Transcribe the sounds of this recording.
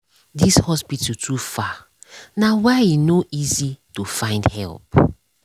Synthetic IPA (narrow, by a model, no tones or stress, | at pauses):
dishɔspitutʰufa | nawainoʔizitufãɪ̃ndhɛ̰lp̚